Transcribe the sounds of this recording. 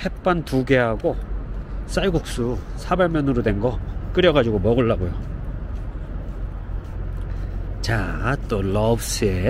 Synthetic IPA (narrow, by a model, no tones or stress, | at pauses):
hʰe̞p̚p͈antuɡe̞ɦaɡo | s͈aiɡok̚s͈usʰabaɭmjʌnɯɾodwe̞nɡʌk͈ɯɾjʌɡad͡ʑiɡomʌɡɯɭːaɡojo | t͡ɕat͈olʌbs͈ʰɯe